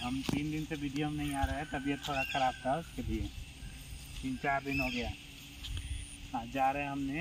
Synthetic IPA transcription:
ɦɐmt̪iːnd̪ɪnseʋiɖijomnɐɦĩaːɾɐɦɛ̃t̪ɐbijət̪ʰːoːɽakəɾaːb̚t̪ʰaʊskebʱie | t͡ʃɪ̃nt͡ʃabʱɪnɦoɡɐjaː | ɦãːd͡ʒaːɾəɦɛ̃ɦɐmne

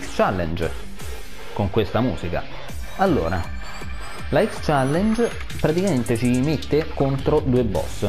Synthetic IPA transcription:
kst͡ʃalːɛ̰nd͡ʒ | koŋkwest̪amṵːsika̰ | alːo̰ːɾa | laɛkst͡ʃalːɛnd͡ʒ | pɾat̪ikament̪et͡ʃimet̪ːekont̪ɾod̪uːebːɔ̰sː

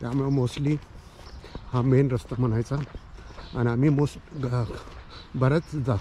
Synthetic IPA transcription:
t̪jamuemosʈli | hamenɾəst̪am̤əñajt͡sa | a̰niamimosʈɡ | bəɾət͡sd͡za

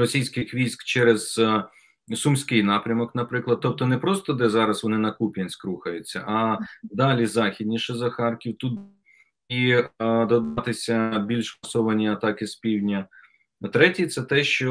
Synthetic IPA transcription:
ɾɔsʲijsʲkɪxʋʲijsʲkt͡ʃɛɾez̥ | sʊmsʲkɪjnɑpɾʲɐmɔknɐpɾɪklˠɐd̪̚t̪ɔp̚t̪ɔnɛpɾɔst̪ɔd̪ɛzɑɾɐsʋɔnɪnɐkupʲjɐnʲsʲkɾuxɐjʊt͡sʲːɐ̰ʔɐd̪ɑlʲizɑxʲid̪ʲnʲiʃɪzɐxɑrkʲiwt̪ut̪ | id̪ɔd̪ɑt̪ɪsʲɐbʲilʲʃmɐsɔʋɐnʲiɐt̪ɑkɪspʲiwʲnʲɐ | t̪ɾɛtʲit̪sɛt̪ɛʃt͡ʃɔ

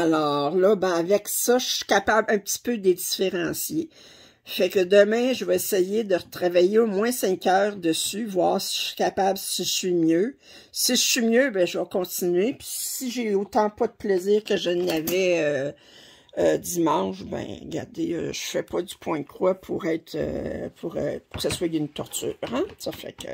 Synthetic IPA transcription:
alɔːʁlʌbɛ̃avɛksʌʃəsi̥kapabɛ̃pət̪i̥pød̪ed̪d͡zifeʁɑ̃ːsje | fɛkəd̪əmɛ̃ʒəvɑesejed̪əʁət̪ʁavajeomwɛ̃sɛ̃kœːʁd̪əsyvwaːʁsi̥sɥi̥kʲapablsi̥siʒəsɥimjø | siʒəsɥimjøbɛ̃ʒəvɑkɔ̃t̪t͡sinyɥepi̥siʒeot̪ɑ̃pʌd̪əpleziːʁkəʒənavɛø | ød̪imɑ̃ʃbɛ̰̃ɡa̰ʁd̪eø̰ʒ̥əfɛpɔd͡z̪ypʰwɛ̃d̪̚kwapʰuʁɛɪt̪ø̰pʰuʁø̰pʊ̥kə̥saswaynt̪ɔʁt̪t͡sy̰ːʁɛ̃sɔfɛ̰kə̰

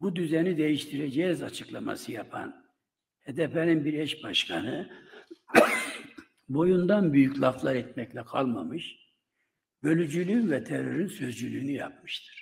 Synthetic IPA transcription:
bud̪yzɛnid̪e̞jiʃt̪ʰiɾɛd͡ʒɛzat͡ʃʰɯklˠama̰sɯjapʰa̰n | hɛd̪ɛpɛninbiɾɛʃbaʃkʰanɯ | bo̞jund̪anbyjyclˠaflˠaɾɛt̪̚mɛclʲɛkʰa̰lˠmamɯʃ | bø̞lʲyd͡ʒylʲyːnvɛt̪ʰɛɾøɾynsø̞zd͡ʒylʲyːnyja̰p̚mɯʃt̪ʰɯ̥ɾ̥

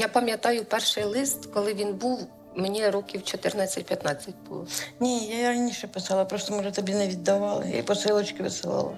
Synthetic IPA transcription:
japɐmʲjɐt̪ɑjʊpɛrʃɪjlˠɪst̪kɔlˠɪʋʲinbuw | menʲiɾɔkʲiwt͡ʃɔt̪ɪrnɑt͡sʲːɐt̚ʲpʲjɐt̪nɑt͡sʲːɐt̚ʲbṵlˠɔnʲejairɐnʲiʃɛpɪsɑlˠɐpɾost̪ɔmɔʐɛt̪ɔbʲinɛʋʲid̪ːɐʋɑlˠɪ̰j̰ipɔsɪlˠɔt͡ʃkɪʋɪsɪlˠɑ̰lˠɐ̰

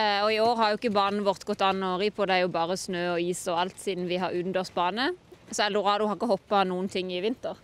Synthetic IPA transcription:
ɔɪoːɾhɑɾjʊɪkːəbɑːnn̩əʋɔʁt̪ɡɔt̪ːɑnːɔʁipʰɔd̪ɛæɾjʊbɑːʁəsnøːɔiːsɔɑlt̪siːd̪n̩ʋɪɦɑɾʉd̪nd̪ɔʁs̚bɑːnəsɔɛlʊʁɑːd̪ʊhɑʁɪkːəhɔpːɑnuːənt̪ʰɪŋːɪʋɪnt̪əʁ

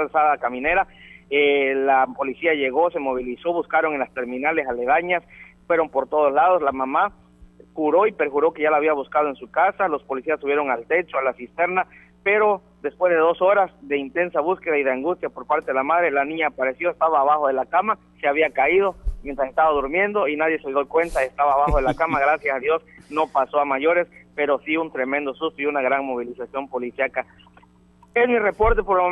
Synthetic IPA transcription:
lsaðakamĩne̞ɾaelapo̞lisiaʝe̞ɣo̞se̞mo̞β̞iliso̞βuskaɾo̞ŋenlast̪e̞ɾmĩnale̞saleðaɲasfwe̞ɾo̞mpo̞ɾt̪o̞ð̞oslaðo̞slamama | kuɾo̞ipe̞ɾxuɾo̞keʝalaːβ̞iaβuskaðoensukasalo̞spo̞lisiasːuβje̞ɾoŋalt̪e̞t͡ʃoalasist̪e̞ɾna | pe̞ɾo̞ | d̪e̞spwe̞zðee̞ðo̞so̞ɾasd̪e̞int̪e̞nsaβuske̞ðaiðeaŋɡust̪japo̞ɾpaɾt̪eðe̞lamaðɾe̞lanĩɲaːpaɾe̞sjo̞est̪aβaːβaxo̞ð̞e̞lakama | seaβiakaiðo̞mjent̪ɾasest̪aβaðuɾmje̞nd̪o̞inaðje̞seðokwe̞nt̪aest̪aβaːβaxoðelakamaɣɾasjasaðjo̞sno̞paso̞amaʝo̞ɾe̞spe̞ɾo̞siunt̪ɾe̞mẽ̞nd̪o̞sust̪oiunaɣɾaŋmo̞β̞ilisasjo̞mpo̞lisjaka | ezmire̞po̞ɾt̪e̞poɾelmo

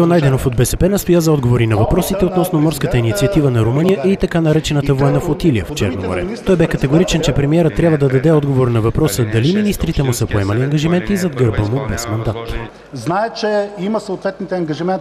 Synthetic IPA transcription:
onajd̪ɛnofod̪̚bɛsɛpɛnɐst̪ojazɐɔd̪ɡovoɾinɐvɐpɾɔsit̪ɛot̪nɔsnomɔɾskət̪əinit̪siɐt̪ivənɐɾomɤnijəʔit̪ɐkanɐɾɛt͡ʃɛnət̪əvoɛnɐfot̪ilijə̰ft͡ʃɛ̰ɾnomo̰ɾɛ̰tt̪ɔjbɛkɐt̪ɛɡʊɾit͡ʃɛnt͡ʃɛpɾɛmiɛɾət̪ːɾjabvəd̪ɐd̪ɐd̪ɛɔd̪ɡovoɾnɐvɐpɾɔsəd̪ɐliminist̪ɾit̪ɛmʊsəpoɛmɐliɐŋɡɐʒimɛnt̪izɐd̪ɡəɾbəmʊbɛsmɐnd̪at̪ | znaɛt͡ʃɛiməsoot̪vɛt̪nit̪ɛɐŋɡɐʒimɛn

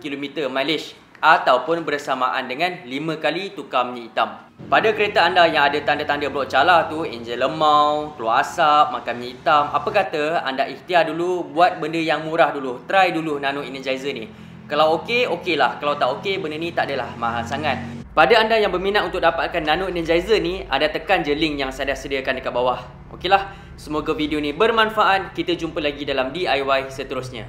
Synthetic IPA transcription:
kilomit̪əmalis | ʔat̪awpʊnbərsama̰ʔandəŋãnlimə̃kalit̪ukamɲait̪am | padakəɾet̪aandajaŋadat̪andat̪andəbəlaʔt͡ʃalat̪uɛ̰nd͡ʒələmawkəloaasap̚makanmɲə̃it̪amapəkat̪əa̰ndaʔiht̪iahdulubuat̪̚bəndəjaŋmũɾahdulut̪əɾajdulunãnoinizajzəni | kalawokeokelahkalawt̪aʔokebəndənit̪aʔadəlahmãɦasaŋat̪̚padaandajaŋbərminat̪̚unt̪ʊk̚dapat̪̚kanːanoinəzaizənia̰ndat̪əkand͡ʒəlɪŋjaŋsadasədiakandəkat̪̚bawah | ʔo̰kelah | səmoɡavidionĩbərmãnfaʔat̪̚kit̪əd͡ʒumpəlaɡidalamdiajwajsət̪əɾʊsɲã̰

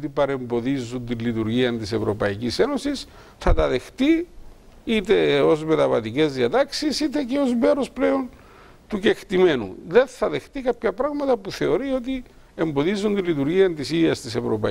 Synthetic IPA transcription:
t̪ipɐɾe̞mbo̞ðizunt̪inlit̪uɾʝiɐnt̪ise̞vɾo̞pɐicise̞no̞sis | θɐt̪ɐðe̞xt̪i | it̪e̞o̞zme̞t̪ɐvɐt̪ice̞zðiɐt̪ɐksisit̪e̞ceo̞zme̞ɾo̞spleo̞n | t̪uce̞xt̪ime̞nṵðe̞nθɐðe̞xt̪ikɐpçɐpɾɐɣmɐt̪ɐpuθe̞o̞ɾio̞t̪̬i | e̞mbo̞ðizunt̪ilːit̪uɾʝiɐnt̪isiɐst̪ise̞vɾo̞pɐ

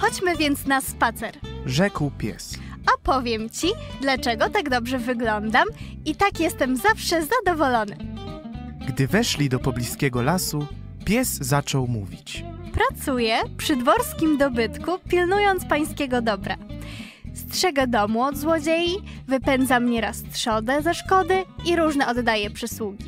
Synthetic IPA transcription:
xɔt͡ɕmɘvʲjɛnt̪snaspat̪sɛɾʐɛkwpʲjɛ̰sɔpɔvʲjɛmt͡ɕid̪lat͡ʂɛɡɔt̪aɡd̪ɔbʐɛvɘɡlɔnd̪am | it̪akjɛst̪ɛmzafʂɛzad̪ɔvɔlɔnɘ̰ | ɡd̪ɘvɛʂlʲid̪ɔpɔblʲiskʲɛɡɔlasu | pʲjɛzzːat͡ʂɔwmṵvʲit͡ɕpɾat̪sujɛpʂɘd̪vɔɾskʲimd̪ɔbɘt̪kupʲilnujɔnt̪spaj̃skʲɛɡɔd̪ɔbɾa̰ | st̪ʂɛɡɛd̪ɔmuɔd̪zwɔd͡ʑeji | vɘpɛnd̪zamɲɛɾast̪ʂɔd̪ɛzɛʂkɔd̪ɘiɾuʐnɛɔd̪ːajɛpʂɘswuɡʲi

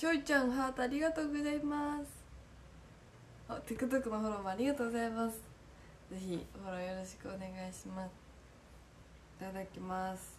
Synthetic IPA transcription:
ɕʲoit͡ɕãɰ̃ɦaːt̪oaɾʲiɡat̪o̞ːɡo̞zaimasɨ̥ | hot̪ekɯ̟t̪okɯ̟maɦoɾomaaɾʲiɡat̪oːɡozaimasɨ̥ | ze̞çiho̞ɾojo̞ɾo̞ɕi̥kɯ̟one̞ɡaiɕima | it̪ad̪akʲimasɨ̥

